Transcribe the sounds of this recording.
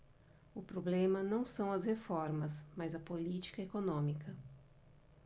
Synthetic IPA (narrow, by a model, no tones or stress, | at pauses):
ʊpɾoblẽmɐnɐ̃w̃sɐ̃w̃ɐzhefɔɾmɐsmɐzɐpolit͡ʃi̥kɐekonõmikɐ